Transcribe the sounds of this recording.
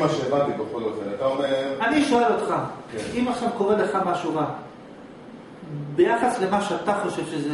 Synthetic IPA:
maʃeːbat̪ibeχolofelat̪aomeʁaniʃo̞e̞lo̞t̪χakeimaχʃavko̞ʁele̞χamaʃuʁa | be̞jaχasle̞maʃeat̪aχo̞ʃe̞vʃeze

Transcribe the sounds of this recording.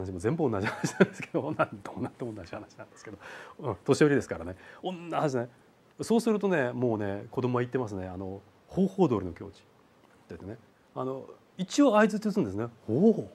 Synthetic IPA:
naɕ̬imo̞zẽ̞mbɯo̞nːaʑihanaɕi̥nand̪esɨ̥ke̞d̪onãnt̪oonãnt̪omonːad͡ʑihanaɕinãnd̪e̞sɨ̥ke̞d̪o̞ɯ̃t̪o̞ɕio̞ɾʲid̪e̞sɨ̥kaɾa̰ne̞õnːahãnd͡ʑinae | so̞ːsɨɾɯ̟t̪o̞ne̞mo̞ːne̞ko̞d̪o̞mo̞βait̪ːe̞mas̬ɨne̞ano̞ | ho̞ːho̞ːd̪o̞ːɾino̞kʲo̞̰ːt͡ɕi̥ | t̪ːeit̪ːene | a̰no̞ | it͡ɕio̞aizɨt͡ɕɨsɨ̃nd̪esɨnehoːhoː

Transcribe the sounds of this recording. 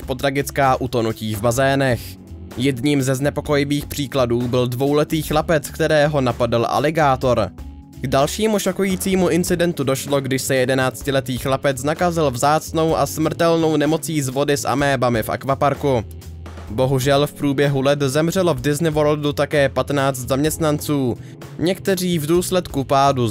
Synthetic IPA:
pot̪ɾaɡɪt͡skaːʔut̪o̞nuciːvbazɛːnɛx | jɛdɲiːmzɛznɛpo̞ko̞jɪviːxpr̥iːkladuːbɪldvo̞wlɛt̪iːxlapɛt͡skt̪ɛɾɛːɦo̞napadalʔa̰lɪɡaːt̪o̞ɾ | ɡ̥dalʃiːmuʃokujiːt͡siːmuʔɪnt͡sɪdɛnt̪udo̞ʃloɡdɪʃsɛjɛdɛnaːt͡scɪlɛt̪iːxlapɛt͡snakazɪlvzaːt͡sno̞wʔa̰smr̩t̪ɛlno̞wnɛmo̞t͡siːzvo̞dɪsʔa̰mɛːbamɪfʔa̰kvapaɾku | bo̞ɦuʒɛlfpɾuːbjɛɦulɛt̪zɛmr̝ɛlo̞vdɪznɪvoldut̪akɛːpat̪naːt͡st̪zamɲɛst̪nant͡suː | ɲɛkt̪ɛr̝iːvduːslɛt̪kupaːdu

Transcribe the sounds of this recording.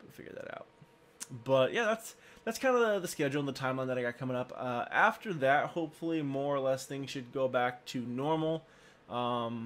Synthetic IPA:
fɪ̰ɡjə̰˞ðɨ̰ɾa̰ʊt̚ | b̥ʌʔjʔæðætsðætskʰãɪ̃ndəɨðɨskɛd͡ʒl̩ˠə̃nðətʰãɪ̃mlãnðɾaɪɡɑt̚kʰʌ̃mɪ̃ŋʌpʌæftə˞ðɨt̚hoʊpfl̩ˠimɔɹəlɛsθɪ̃ŋz̥ʃɨd̚ɡoʊbæk̚tʰɨnɔɹml̩ˠ | ʔʌ̃m

